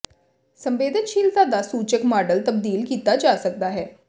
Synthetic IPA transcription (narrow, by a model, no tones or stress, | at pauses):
sə̃mʋeːd̪ʱənʃiːlt̪ad̪asuːt͡ʃəkmaːɖəlt̪əb̚d̪iːlkiːt̪ad͡ʒaːsək̚d̪aɦɛː